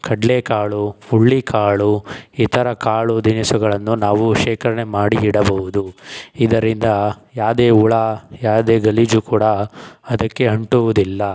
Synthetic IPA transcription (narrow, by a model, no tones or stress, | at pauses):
kʰɐɖleːkaːɭuuɭːikaːɭuiːt̪ʰɐɾɐkaːɭud̪inisuɡɐɭɐnːunaːʋuʃɛːkʰɐɾɐnemaːɽiiɽɐbɐɦud̪uid̪ɐɾind̪ɐjaːd̪eːuɭajaːd̪eːɡɐlid͡ʒukuːɽɐɐd̪ɐkːe̞ɐɳʈuʋud̪ilːɐ